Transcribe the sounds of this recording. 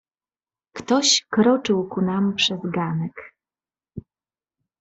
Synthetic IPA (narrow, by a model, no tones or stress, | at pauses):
kt̪ɔɕkɾɔt͡ʂɘwkunampʂɛzɡanɛk